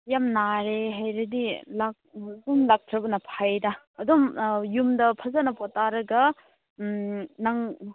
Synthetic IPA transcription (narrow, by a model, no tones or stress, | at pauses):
jamnaɾeɦajɾɐdilak̚ɡumlak̚tʰɾɐbɐnɐpʰajdɐ | ɐdomjumdɐpʰɐzanɐpɔtaɾɐɡɐ | nɐŋ